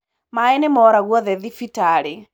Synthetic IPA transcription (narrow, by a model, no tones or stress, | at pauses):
maɛnemɔɾaɣwɔðɛðifitaɺi